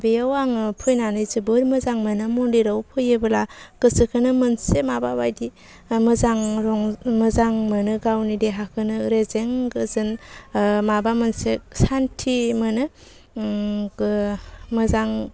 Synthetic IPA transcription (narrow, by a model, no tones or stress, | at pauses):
bejawaŋɯpʰɯjnanɯjzɯbɯɾmɯzaŋmɯnamɔndiɾawpʰɯjebɯlaɡ̥ɯsɯkʰɯnɯmɯnsemababajdi | mɯzaŋɾɔŋmɯzaŋmɯnɯɡawnideɦakʰɯnɯɾezeŋɡɯzɯn | mabamɯnsesantʰimɯnɯ | mɯzaŋ